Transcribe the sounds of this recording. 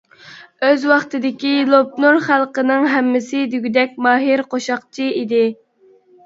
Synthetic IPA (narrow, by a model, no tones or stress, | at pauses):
øzwɑχt̪ɨd̪ɪkʲilˠop̚nuɾχælˠqənɨŋɦɛmːɪsɪd̪yɡʲyd̪ɛk̚ʲmɑːɦiɾqoʃɑqt͡ʃʰiid̪ɪ